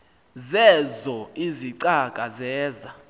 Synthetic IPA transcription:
zɛzɔiziǀakʼazɛːza

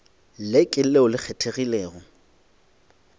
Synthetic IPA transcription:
lɪkʼɪleʊlɪk͡xʰɛtʰeɣilɛːɣɔ

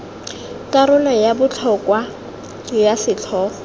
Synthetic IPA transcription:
kaɾʊnajabʊt͡ɬʰɔkwa | jasɪt͡ɬʰɔ

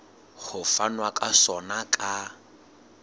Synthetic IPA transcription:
χʊfanwakʼasɔnakʼa

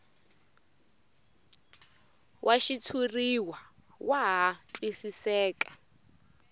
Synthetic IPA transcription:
wʔaʃitʰuriwa | waɦatʼwisisɛːkʼḁ

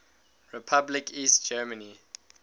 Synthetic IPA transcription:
ɹipʰablɪkʰiːstd͡ʒɛməni

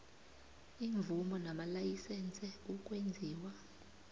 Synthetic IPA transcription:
iɱvʱumɔnamalajisɛnt͡sʼɛukʼwend͡zʱiːwa

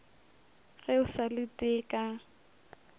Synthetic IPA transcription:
ɣɛʊsalɪtʼɪːkʼa

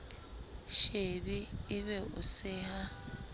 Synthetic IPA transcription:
ʃebiɪβɛʊ̰sɪha

